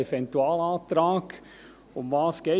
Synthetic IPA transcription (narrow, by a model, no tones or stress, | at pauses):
ɛfɛnt̪uɑːlɑːt̪ɾɑːk | ʊmʋɑːsɡ̥e